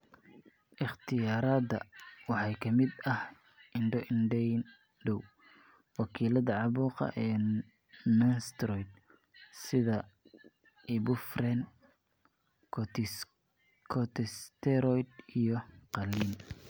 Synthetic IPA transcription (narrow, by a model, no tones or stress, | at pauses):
ʔɪχt̪ʰɪjaːɾaːd̪ɐ̰wɑħɑjkʰɐmɪd̪ɐh | ɪnɖɔʔɪnɖɛn | ɖɔw | wɑkʰiːlɐðɐʕɑβuːqɑ̰ʔɛː | nɐnst̪rɔjd̪ | sɪðɐ | iːbʊfrɛn | kʰɔt̪ʰɛst̪ʰɛɾɔjd̪ijɞqɑlːiːn